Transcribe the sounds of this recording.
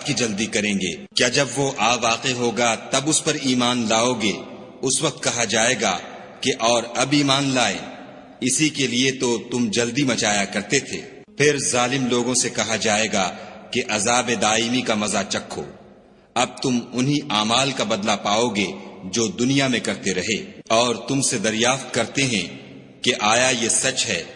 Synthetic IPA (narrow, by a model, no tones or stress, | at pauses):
kid͡ʒɐld̪ikɐɾẽːɡḛːkjaːd͡ʒɐbʋoʔaːʋaːqeɦoːɡat̪ɐbʊspɐɾiːmaːnlaːoɡeː | ʊsʋɐq̚t̪̚kɐɦad͡ʒaːeːɡa̰ | keʔɔːɾɐbiːmaːnlaːḛ | ɪsikeliet̪ot̪ʊmd͡ʒɐld̪imɐt͡ʃaːjakɐɾt̪et̪ʰḛː | pʰɪɾzaːlɪmloːɡõsekɐɦad͡ʒaːeːɡakeʔɐzaːbed̪aːɪmikamɐzat͡ʃɐkʰːo̰ː | ɐb̚t̪ʊmʊnɦiʔaːmaːlkabɐd̪lapaːoːɡed͡ʒoːd̪ʊnijamẽkɐɾt̪eɾɐɦeːɔːɾt̪ʊmsed̪ɐɾjaːft̪kɐɾt̪eɦɛ̃ | keʔaːjajesɐt͡ʃɦɛː